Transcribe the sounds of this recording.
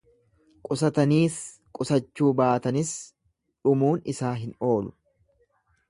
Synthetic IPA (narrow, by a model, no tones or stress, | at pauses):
kʼʊsɐt̪ɐniːs | kʼʊsɐt͡ʃːuːbaːt̪ɐnɪs | ᶑʊmuːnɪsaːɦɪno̞ːlʊ